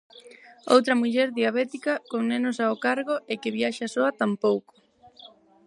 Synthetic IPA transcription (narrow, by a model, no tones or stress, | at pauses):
o̰wt̪ɾɐmuʎɛɾðiaβ̞ɛt̪ikɐkoŋnenʊsaokaɾɣoɪkɪβiaʃasoɐt̪ampowko̥